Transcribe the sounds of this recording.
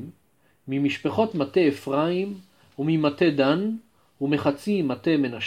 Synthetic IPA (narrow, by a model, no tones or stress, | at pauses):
mː | imiʃpeχo̞tmate̞efʁaim | umimate̞d̪an | umeχat͡simate̞me̞naʃ